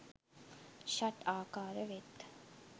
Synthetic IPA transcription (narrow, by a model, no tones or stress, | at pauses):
ʃaʈaːkaːɾəʋet̪